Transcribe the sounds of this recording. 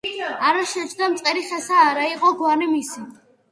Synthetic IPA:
aɾaʃɛt͡ʃʰd̪amt̪sʼqʼɛɾiχɛsaːɾaiqʼɔɡwaɾnɛmisi

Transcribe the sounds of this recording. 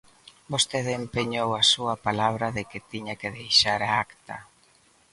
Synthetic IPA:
bost̪eðempeɲowasuɐpalaβ̞ɾɐðɪkɪt̪iɲakeðejʃaɾaakt̪ɐ

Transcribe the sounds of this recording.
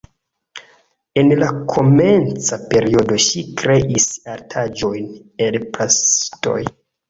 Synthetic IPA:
e̞nlakʰo̞me̞nt͡sape̞ɾio̞do̞ʃikɾe̞ʔisaɾtʰad͡ʒo̞jn | elpɾasto̞̰j

